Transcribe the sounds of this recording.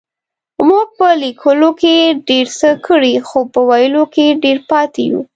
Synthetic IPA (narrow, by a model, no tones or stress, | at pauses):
muɡ̚pəlikʰəlokeɖeɾsəkəɽixopəwajəlokeɖeɾpɑt̪ejṵ